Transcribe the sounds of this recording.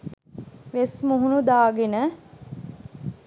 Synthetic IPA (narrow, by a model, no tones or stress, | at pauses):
ʋesmuɦunud̪aːɡenə